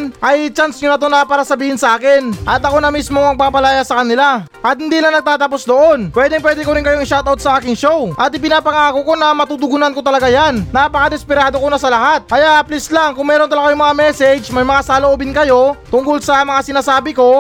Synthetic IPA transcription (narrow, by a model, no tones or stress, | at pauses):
nʔɐjt͡ʃansɲʊnɐt̪o̞nɐpaːɾɐsɐbiːhɪnsɐʔaːkɪnʔɐt̪ɐko̞nɐmismoŋmɐɡ̚paːpɐlajasɐkɐnɪla | ʔɐt̪̚hɪnd̪iːlɐŋnɐɡ̚t̪aːt̪ɐpo̞sd̪o̞ʔo̞npwɛd̪ɪŋp̬wɛd̪ɛkoɾɪŋkɐjoʔŋɪʃawt̪awt̪̚sɐʔaːkɪŋʃo̞wʔɐt̪ɪpɪnaːpɐŋakoko̞nɐmɐt̪ut̪ʊɡʊnanko̞t̪ɐlɐɡajannaːpɐkɐd̪ɛspɪɾaːd̪o̞konɐsɐlɐɦat̪̚kɐjaʔɐplɪslaŋkʊŋmɛːɾont̪ɐlaɡajoŋmɐŋamɛsɛd͡ʒmɐjmɐŋasaloʔoːbɪnkɐjo̞t̪ʊŋkolsɐmɐŋasɪnaːsaːbɪko̞